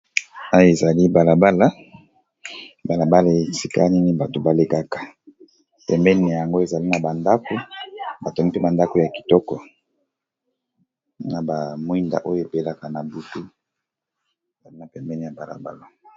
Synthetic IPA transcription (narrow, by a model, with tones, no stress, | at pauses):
a˦jo˦e˨za˨li˦ba˨la˨ba˦la˦ | ba˨la˨ba˦la˨e˨si˨ka̰˦ni˦ni˦ba˨to˨ba˨le˨ka˦kḁ˨ | pɛ˨mbɛ˦ne˨ja˨ŋɡo˦e˨za˨li˦na˨ba˨nda˦ko˦ba˨tɔ˨ŋɡi˦pe˦ba˨nda˦ko˨ja˨ki̥˨tɔ˦kɔ˨ | na˨ba˨mwi˦nda̰˨ʔo˦jo˨e˨pe˦la˦ka˨na˨bu˨tu˦ | e˨za˨li˦na˨pɛ˨mbɛ˦ni˨ja˨ba˨la̰˨ba̰˦la˦